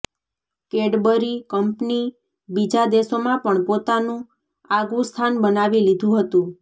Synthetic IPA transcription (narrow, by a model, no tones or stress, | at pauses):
keɽbəɾikəmpni | bid͡ʒad̪esomãpəɳpot̪anũ | aɡʋũst̪ʰanbənaʋilid̪ʱũɦət̪ũ